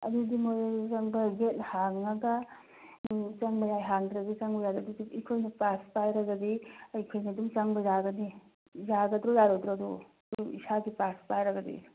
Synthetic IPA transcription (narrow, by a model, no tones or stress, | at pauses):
ɐ̰dudimojt͡ʃɐŋbɐɡethaŋːɐɡɐ | t͡ʃɐŋbɐjajɦaŋdɾɐdit͡ʃaŋbɐjaɡadidiikʰojnɐpaspajɾɐɡɐdiɐjkʰojnɐdumt͡ʃɐŋbɐzaɡɐni | zaɡɐd̪ɾojaɾod̪ɾoɐdu | dḭsaɡipaspajɾɐɡɐdḭ